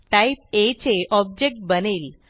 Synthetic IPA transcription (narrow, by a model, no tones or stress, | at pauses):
ʈaip̚et͡ɕeʔɔb̚d͡ʑek̚ʈ̚bəneːl